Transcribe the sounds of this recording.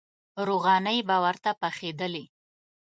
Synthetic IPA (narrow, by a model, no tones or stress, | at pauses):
ɾoɣɑnəjbɑwaɾt̪apaxed̪əli